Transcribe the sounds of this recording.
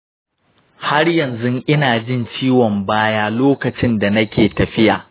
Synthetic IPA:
ha˦rjɐ˨nzʊ˦ŋʔɪ˦naː˨d͡ʒɪ˦nt͡ʃiː˦wɔ˨mbaː˦jaː˦loː˦kɐ˨t͡ʃɪ˦nda˨nɐ˦kʲeː˨tɐ˨ɸɪ˦jaː˨

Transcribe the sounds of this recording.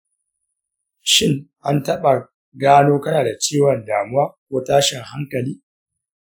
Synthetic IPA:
ʃɪ˦ŋʔa˦ntɐ˦ɓa˨ | ɡaː˦noː˦kɐ˦naː˨da˨t͡ʃeː˦wɐ˨ndaː˨mʊ˦waː˦kʷoː˦taː˦ʃɪ˨ŋha˦ŋkɐ˨liː˦

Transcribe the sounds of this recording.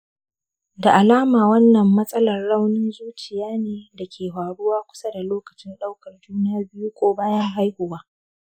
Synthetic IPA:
da˨ʔa˨laː˦maː˨wɐ˦nːɐ˨mːɐ˦sʼɐ˦lɐ˨rːa˦wnɪ˦nzuː˦t͡ʃɪ˨jaː˦neː˨da˨kʲʰeː˨ɦaː˨ɽʊ˦waː˦kʷʊ̥˦sɐ˦da˨loː˦kɐ˨t͡ʃɪ˦nɗa˦wkɐ˨rduː˦nɪ˦jaː˦bɪ˦ju˦kʷʼoː˦baː˦jɐ˦ŋɦa˦jhʊ˨waː˦

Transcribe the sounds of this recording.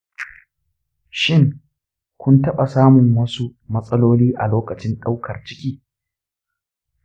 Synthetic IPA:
ʃɪ˦ŋ | kʷʊ˦ntɐ˦ɓa˨saː˦mʊ˨ŋwɐ˦su˦mɐ˦sʼɐ˦loː˦liː˦ʔa̰˨loː˦kɐ˨t͡ʃɪ˦nɗa˦wkʰɐ˨rt͡ʃɪ˦kʲʼiː˦

